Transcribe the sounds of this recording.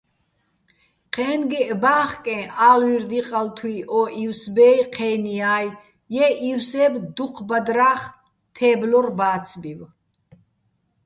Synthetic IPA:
qʰɛːnɡiʔbaːχkʼɛ̃ːʔaːlwiɾd̪iqʼalt̪ʰwiʔɔiwsbɛːjqʰɛːniaːj | jɛʔiwsɛːbd̪uqʰbad̪ɾaːχ | t̪ʰɛːblɔrbaːt͡sʰbiw

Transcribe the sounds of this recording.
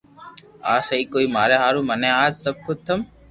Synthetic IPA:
aːsəɦiːkoːiːmaːɾeːɦaːɾũːmənẽːaːd͡ʒsəb̚kʊt͡ʃt̪ʰəm

